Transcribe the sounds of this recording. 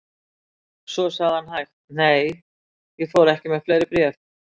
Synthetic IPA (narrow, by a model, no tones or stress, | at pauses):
sɔsaɣðɪhanhajxt̪̚neːj | jɛɣfɔwɾɛhcɪmɛɣfleːjɾɪpɾjɛːf